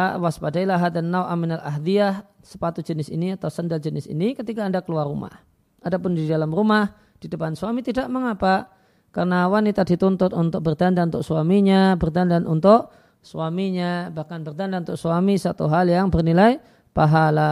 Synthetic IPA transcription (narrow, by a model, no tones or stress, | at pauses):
waspadailaɦat̪̚anːawʔaminalʔaɦd̪iah | sə̥pat̪ud͡ʒənɪsḭniat̪ausəndald͡ʒənɪsḭnikət̪ikaːndakəluarːuma̰h | ʔadapʊndidalamrumah | d̥idəpansuamit̪idaʔməŋapa | karnawanit̪adit̪ɔnt̪ʊt̪̚unt̪ʊk̚bərd̪andannt̪ʊk̚suamiɲabərd̪andanunt̪ʊk | suamiɲabahkanbərd̪andanunt̪ʊksuamisat̪ṵɦaljaŋbərnilaj | paɦala